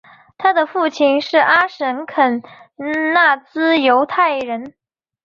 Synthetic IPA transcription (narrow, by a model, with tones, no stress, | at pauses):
t̪ʰa˥d̪ə˨fu˥˩t͡ɕʰi˥˩nʂɻ̩˥˩ʔa˥ʂə˧˥nkʰə˨˩n | na˥˩t͡sɹ̩˥jo˧˥ʊt̪ʰa˥˩ɪɻə˧˥n